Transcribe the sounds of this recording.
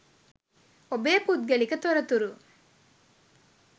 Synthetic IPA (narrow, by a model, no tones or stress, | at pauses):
obeːpuːt̪̚ɡɐɭikɐt̪ɔɾɐt̪uɾu